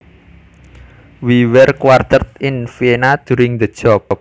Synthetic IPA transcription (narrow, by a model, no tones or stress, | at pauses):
wiwɛrkwart̪ət̪̚ɪnfienad̪̥uɾɪŋd̪ə̥d͡ʒ̥ɔp